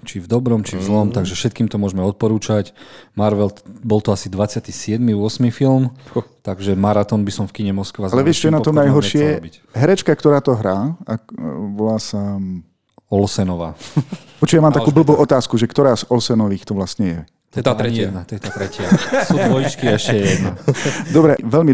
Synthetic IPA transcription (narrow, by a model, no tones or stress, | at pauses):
t͡ʃivd̪ɔbɾɔmt͡ʃivzlɔmt̪aɡʒɛfʃɛt̪̚kiːmt̪ɔmʊɔʒmɛɔt̪̚pɔɾuːt͡ʃacmaɾʋɛlbɔlt̪ɔasid̪ʋat͡sɪat̪isɪɛd̪miʊɔsmifilmt̪aɡʒɛmaɾat̪ɔnbisɔmfkiɲɛmɔskʋazalɛʋɪɛʃt͡ʃɔɛnat̪ɔmnajɦɔɾɛʃɪɛbic | ɦɛɾɛt͡ʃkakt̪ɔɾaːt̪ɔɦɾaːaʋɔlaːsa | ɔlsɛnɔʋa̰ː | pɔt͡ʃujamamt̪akuːbl̩buːʔɔt̪aːskuʒɛkt̪ɔɾaːzɔlsɛnɔʋiːxt̪ɔʋlasɲɛjɛ | ɛt̪ːɾɛnat̪ɔjɛt̪aːt̪ɾɛcɪasuːʋɔjit͡ʃkiɛʃcɛɛjɛd̪nad̪ɔbɾɛʋɛlmi